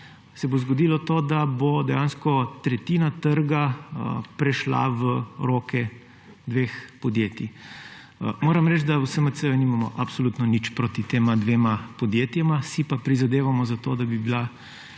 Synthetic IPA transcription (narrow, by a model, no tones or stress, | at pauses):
sɛbozɡɔd̪ilɔt̪oːd̪abod̪ɛjaːnskɔt̪ɾɛt̪iːnat̪əɾɡapɾɛʃla̰ʋəɾoːkɛ | d̪ʋeːxpɔd̪jeːt̪i | moːɾɐmɾɛt͡ʃd̪awsəməsəjunimamɔʔapsolut̪nɔnit͡ʃpɾot̪it̪eːmad̪ʋeːmapɔd̪jeːt̪jɛmasipapɾizad̪eːʋamɔzat̪oːd̪abibila